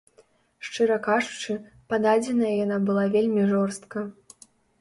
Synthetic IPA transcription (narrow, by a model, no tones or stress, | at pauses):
ʂt͡ʂɨɾɐkaʐut͡ʂɨ | pad̪ad͡zʲɛnɐjɐjanabɨlˠavʲelʲmʲiʐɔrst̪̚kɐ